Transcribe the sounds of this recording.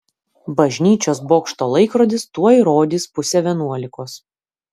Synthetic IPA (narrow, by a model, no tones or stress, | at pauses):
bɐʒʲnʲiːt͡ʃʲoːsboːkʃt̪oːlˠɐɪkɾoːd̪ʲɪst̪uɔiɾoːd̪ʲispʊsʲɛʋʲiɛnuɔlʲɪkoːs